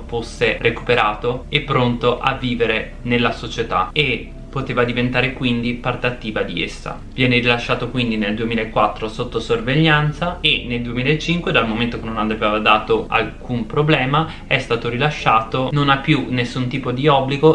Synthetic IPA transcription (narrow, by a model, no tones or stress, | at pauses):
fosːereku̥peɾaːt̪oepːɾont̪oʔavːiːveɾe | nelːasot͡ʃet̪a̰e | pːot̪eːvad̪ivent̪aːɾekwind̪ipart̪eat̪ːiːvad̪iḛsːa̰ | vjɛːneɾilaʃːaːt̪okwind̪ineld̪uemilaekːwat̪ːɾosot̪ːosorveʎːant̪saeneld̪uemilaet͡ʃːiŋkwed̪almoment̪okenːonad̪aveːvad̪aːt̪oa̰lkumpɾoblɛːma | ɛst̪aːt̪oɾilaʃːaːt̪ononapːjunesːunt̪iːpod̪iɔbːliɡo